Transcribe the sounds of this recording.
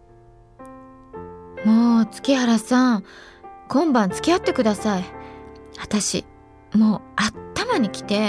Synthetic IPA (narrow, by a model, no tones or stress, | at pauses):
moːt͡sɨ̥kʲiɦaɾasã | kõ̞mbãnt͡sɨ̥kʲiat̪ːe̞kɯ̟d̪asai | at̪aɕḭ | mo̞ːatt̪ːamaɲ̟ikʲi̥t̪e̞